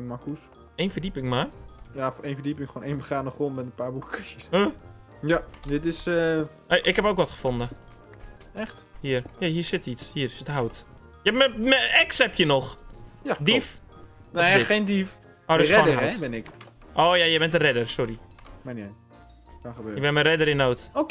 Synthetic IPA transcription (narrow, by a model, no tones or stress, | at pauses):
ŋmakus | eːnfərdipɪŋmarjafenfədipɪŋxoːneːnbəxaːnəχronmɛtənpaːbukə̥kʰɪsjəsə | jadɪtɪsə | eʔɪkhɛpoːkʋɔtχə̥fondə | ɛxt | hiərjahiːsɪtitshiːərsɪtɦawt | jɛpməməɛksɛpjənɔxjadif | neɪeːndif | odəsɛodəɦaɛtbɪnɪk | ʔoːjajɛbɛntərɛdərsɔɾimana | kaxəbøːjəbɛnmərɛdəɾɪnoːto